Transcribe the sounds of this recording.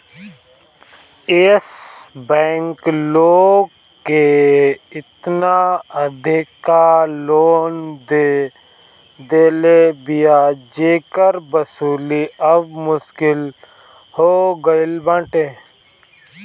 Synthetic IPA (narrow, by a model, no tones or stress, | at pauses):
eːsbɛ̃ːŋkloːɡ | kːe | ɪt̪naəd̪ʱɪkaloːnd̪e | d̪eːlebɪjad͡ʒeːkəɾbəsuːliəbmʊʃkɪl | hoːɡəɪlbãːʈeː